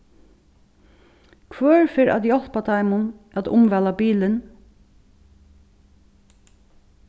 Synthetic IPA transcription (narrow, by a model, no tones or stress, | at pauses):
kʰʋœːɹfɪːɹʔæ̰t̪jɔl̥pat̪ʰaɪmʊnʔæt̪ʊmʋɛlabiːlən